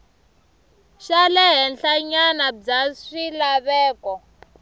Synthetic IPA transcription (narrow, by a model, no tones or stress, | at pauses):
ʃalɛɦɛnɬaɲanab͡ʐaʂilaβɛːkɔ